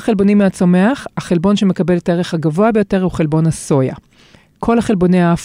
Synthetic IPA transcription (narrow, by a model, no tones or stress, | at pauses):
χelbo̞nimːeat͡some̞aχhaχelbo̞nʃe̞me̞kabe̞letaeeχhaɡavo̞abejo̞te̞ʁuχe̞lbo̞nhaso̞ja̰ | kʰo̞lhaχelbo̞nejaaf